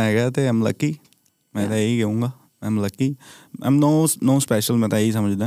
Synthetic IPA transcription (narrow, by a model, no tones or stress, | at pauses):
ɛ̃ːɡaːt̪eːəmlə̰kːiː | mɛ̃ːt̪aiːɡeũːŋɡaː | mɛ̃ːmləkːiːã̰mnoːnoːspɛːʃəlmɛ̃t̪aːiːs̬əməd͡ʒd̪ẽː